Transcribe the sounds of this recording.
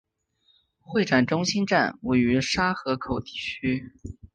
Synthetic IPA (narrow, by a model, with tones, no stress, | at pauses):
xwe˥˩ɪʈ͡ʂa˨˩nʈ͡ʂʊ˥ŋɕi˥nʈ͡ʂa̰˥˩nwe˥˩ɪy˧˥ʂa˥xɤ˧˥kʰo˨˩ʊt̪i̥˥˩t͡ɕʰy˥